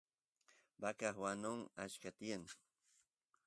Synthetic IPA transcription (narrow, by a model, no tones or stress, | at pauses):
bakaχwanoŋat͡ʃkat̪ɪjan